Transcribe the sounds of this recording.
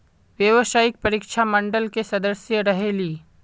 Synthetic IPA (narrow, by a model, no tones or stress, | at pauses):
ʋjəʋsaːɪk̚pɐɾiːkʃʰamɐ̃ɳɖəlkesɐd̪əsjəɾɐɦeliː